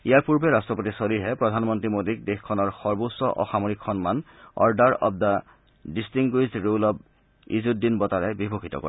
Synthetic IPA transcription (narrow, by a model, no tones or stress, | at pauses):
ijaɹpuɹbɛɹastɹɔpotisoɾiɹɦɛpɹɔdʱanmɔntɹimodik̚dexkʰːɔnɔɹxɔɹbosːɔʔɔ̰xamoɹikxɔnmanɔ̰ɹdaɹɔ̰b̚da | distiŋɡujzɹulɔb̚ | ḭzut̚dinbɔtaɹɛbibʱoxʰitɔ̰kɔ̰ɹɛ